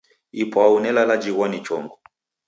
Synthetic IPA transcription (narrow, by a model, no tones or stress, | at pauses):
ipʰaunɛlalad͡ʒiɣwanit͡ʃɔŋɡɔ